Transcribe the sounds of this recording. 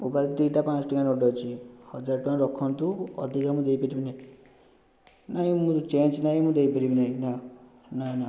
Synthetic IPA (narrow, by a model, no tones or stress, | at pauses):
ubaɾt̪ijʈapãt͡sʈikanoʈɔt͡ʃʰihʌd͡ʒaɾʈãɾɔkʰɔnt̪uʌ̰d̪ʱikamũd̪ejpeɾibina | najmũt͡ʃend͡ʒnajmũd̪ejpeɾibinajna | nana